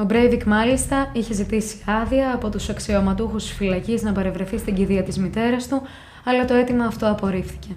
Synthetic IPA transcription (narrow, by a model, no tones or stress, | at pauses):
o̞bɾejvikmɐlist̪ɐiçe̞zit̪isi̥ɐðiɐːpo̞t̪usɐksiomɐt̪uxust̪i̥sfilɐciznɐpɐɾe̞vɾe̞θist̪iɟiðiɐt̪izmit̪e̞ɾɐst̪u | ɐlɐt̪o̞e̞t̪imɐːft̪o̞ɐpo̞ɾifθi̥ce̞